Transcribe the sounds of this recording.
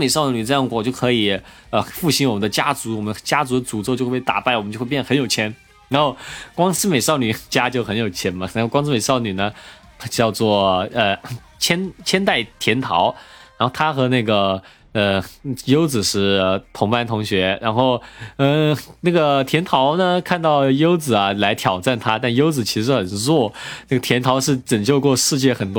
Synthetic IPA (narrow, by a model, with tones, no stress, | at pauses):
me˨˩ɪʂɑ˥˩ʊ˨ny˨˩ʈ͡ʂɤ˥˧jɑ˥˩ŋwɔ˨˩t͡ɕjo˥˩ʊkʰɤ˧˥i˨˩ | ə˧fu˥˩ɕi˧˥nwɔ˨˩ə˦nd̪ə˧t͡ɕja˥t͡su˧˥wɔ˨˩mə˦nə˧t͡ɕja˥t͡su˧˥d̪ə˧t͡su˨˩t͡so˥˧t͡ɕo˥˧˥pt̪a̰˨˩pa˥˩ɪwɔ˨˩mə˦t͡ɕjo˥˧˥jɛ˥˩xə˧˥njʊt͡ɕʰjɛ˥n | ɻa˧˥nxo˥˩ʊkwɑ˥ŋsɹ̩˥me˨˩ɪʂɑ˥˩ʊny˨˩t͡ɕja˥t͡ɕjo˥ʊxə˧˥njo˨˩ʊt͡ɕʰjɛ˥nmɐ˨˩a˧˥˧kwɑ˥ŋsɹ̩˥me˨˩ɪʂɑ˥˩ʊny˨˩nə˦ | t͡ɕjɑ˥˧ʊt͡swɔ˥˩ə˧˩ | t͡ɕʰjɛ˥nt͡ɕʰjɛ˥nt̪a˥˩ɪt̪ʰjɛ˧˥nt̪ʰɑ˧˥ʊɻa˧˥nxo˥˩ʊt̪ʰa˥xɤ˧˥na˥˩ɡə˩ | ə˧jo˥ʊt͡sɹ̩˨˩ʂɻ̩˥˩t̪ʰʊ˧˥ŋpa˥˧nt̪ʰʊ˧˥ŋɕɥɛ˧˥ɻa˧˥nxo˥˩ʊə˥˧na˥˩ɡə˩t̪ʰjɛ˧˥nt̪ʰɑ˧˥ʊnə˧kʰa˥˧nt̪ɑ˥˩ʊjo˥ʊt͡sɹ̩˨˩ɐ˦la˧˥ɪt̪ʰjɑ˨˩ʊʈ͡ʂa˥˩nt̪ʰa˥t̪a˥˧njo˥ʊt͡sɹ̩˨˩t͡ɕʰi˧˥ʂɻ̩˧˥xə˨˩nnɻwɔ˥˩na˥˩ɡə˩t̪ʰjɛ˧˥nt̪ʰɑ˧˥ʊʂɻ̩˥˩ʈ͡ʂə˨˩ŋt͡ɕjo˥˧ʊkwɔ˥˧ʂɻ̩˥˧t͡ɕjɛ˥˩xə˨˩nt̪w